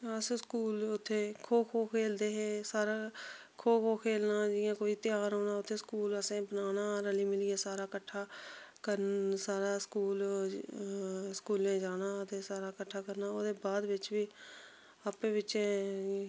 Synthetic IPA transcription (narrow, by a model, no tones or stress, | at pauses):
əsẽskuːlʊt̪ʰːeːkʰoːkʰoːkʰeːld̪eːɦeːsaːɾaː | kʰoːkʰoːkʰeːlnaːd͡ʒɪːãːkoːiːt̪ɪjaːɾɦoːnaːʊt̪ʰːeːskuːləsẽːbənaːnaːɾəliːmɪliːeːsaːɾaːkəʈʰːaːkəɾnsaːɾaːskuːl | skuːlẽːd͡ʒaːnaːt̪eːsaːɾaːkəʈʰːaːkəɾnaːoːd̪eːbaːd̪ʋɪt͡ʃʋiː | aːpẽːʋɪt͡ʃẽː